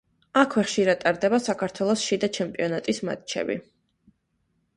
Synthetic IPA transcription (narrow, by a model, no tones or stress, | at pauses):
akʰwɛχʃiɾad̪t̪ʼaɾd̪ɛbasakʰaɾt̪ʰwɛlˠɔsʃid̪at͡ʃʰɛmpʼiɔnat̪ʼisma̰t̪t͡ʃʰɛ̰bḭ